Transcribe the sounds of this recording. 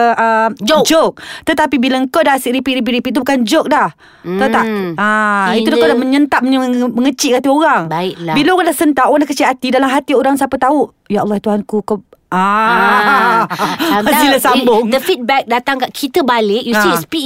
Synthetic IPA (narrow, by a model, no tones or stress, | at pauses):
əʔəmd͡ʒd͡ʒok̚t̪ət̪apibilaŋkodaasiʔɾipiʔɾip̬iʔɾipiʔt̪̬ubukand͡ʒok̚dah | t̪at̪aʔait̪udakodaməɲənt̪ap̚mɲəməŋət͡ʃiʔkat̪ioɾaŋbaɪʔlabilaoɣandahsənt̪aʔoɣaŋdahkət͡ʃiat̪idalamɦat̪ioɾaŋsapət̪au | jaɑlːɑht̪uɦankukoa | asilasambʊŋdəfit̪̚bɛk̚dat̪aŋkaʔkʰit̪əbalɪʔjusispi